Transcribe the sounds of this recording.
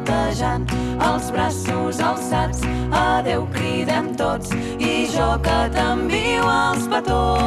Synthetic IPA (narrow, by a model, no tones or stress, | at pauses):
t̪əʒan | əlˠzβɾasuzəlˠsat͡s | əðewkɾiðɛmt̪ot͡s | iʒɔkət̪əmbiwəlˠspət̪o